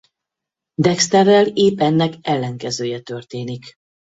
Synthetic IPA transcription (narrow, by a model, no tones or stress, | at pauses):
d̪ɛkst̪ɛrːɛleːpɛnːɛkɛlːɛŋkɛzøːjɛt̪ø̞rt̪eːnik